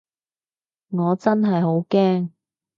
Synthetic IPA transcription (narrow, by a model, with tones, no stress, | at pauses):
ŋɔː˨˧t͡sɐ˥nɦɐ˨jɦo˨˥wkɛː˥ŋ